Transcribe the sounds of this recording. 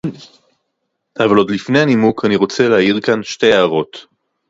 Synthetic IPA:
ʔavalo̞d̪lifne̞janimukʰaniʁo̞t͡seleajiʁkanʃte̞jaːʁo̞t

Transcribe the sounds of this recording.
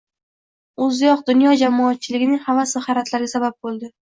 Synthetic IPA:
ɵzjɒqd̪ʊnjɒd͡ʒamɒːt̪̚t͡ʃʰɪlɪɡʲɪnɪŋhavasɪhaɾat̪ʰlaɾɡʲasabap̚bolˠd̪ɪ

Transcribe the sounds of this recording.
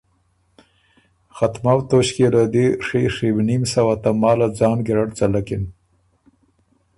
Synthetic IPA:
xat̪mawt̪oɕkelad̪iʂeʂewnimsawat̪amɑːlad͡zɑːnɡɪɾaʈt͡salakɪn

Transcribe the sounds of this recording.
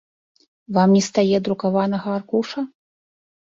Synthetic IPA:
vamnʲɛst̪ajɛd̪ɾukavanɐɣɐːrkuʂɐ

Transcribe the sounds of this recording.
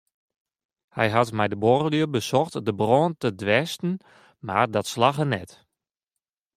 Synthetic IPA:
hɛ̰jɦatmɛjdəborəliəbəsɔxtdəbroːntədʋɛstn̩ | ma̰rdɔtslaxənɛt

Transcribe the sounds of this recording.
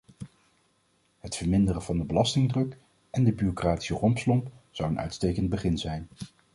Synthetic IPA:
ɦətfəɹmɪndərəvɑndəbəlɑstɪŋdrɵk | ɛndəbyrokraːti̥sərɔmpslɔmpz̥ɑwənœ̰ɥtstejkənd̚bəχɪnzɛjn

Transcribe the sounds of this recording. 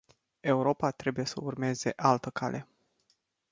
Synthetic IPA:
e̞uɾo̞pat̪ɾe̞buje̞səurme̞ze̞ʔalt̪əkʰalʔe̞

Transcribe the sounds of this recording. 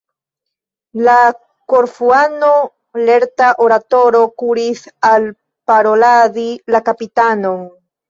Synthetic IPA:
la | koɾfuano | le̞ɾtaʔoɾat̪o̞ɾo̞kuɾisal | paɾo̞ladilakapitanoŋ

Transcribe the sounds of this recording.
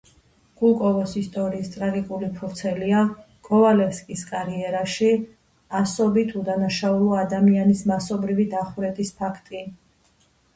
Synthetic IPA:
ɡ̥ulˠkʼɔvɔsist̪ʼɔɾiːst̪ʼɾaɡikʼulipʰuɾt̪sʰɛlia | kʼɔvalɛfskʼiskʼaɾiɛɾaʃi | asɔbit̪ʰud̪anaʃaulˠɔad̪amianismasɔbɾivid̪aχuɾɛt̪ʰʼispʰakʰt̪ʼi

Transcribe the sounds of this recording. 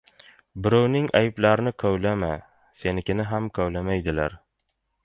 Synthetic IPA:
bɪɾawnɪŋajɪplaɾɪnɪkʰɒwlama | se̞nɪkʲɪnɪɦamkʰɒwlamajd̪ɪlaɾ

